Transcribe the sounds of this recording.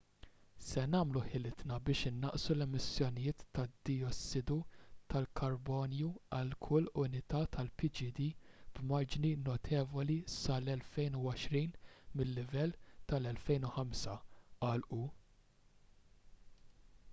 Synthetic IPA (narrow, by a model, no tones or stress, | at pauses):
sɛnɐːmluħɪlɪt̪nɐbɪːʃɪnːɐʔsulɛmɪsjɔnɪjɪːt̪ːɐd̪ɪɔsːɪd̪ut̪ɐlkʰɐɾbɔːnjuɐlkʰʊlːʊnɪt̪ɐt̪ʰɐlpɪd͡ʒɪd̪iːb̥mɐɾd͡ʒninɔt̪ʰɛːvɔlisɐlɛlfɛjnuɔʃɾiːnmɪlːɪvɛlːt̪ɐlɛlfɛjnuħɐmsɐʔɐːlʔu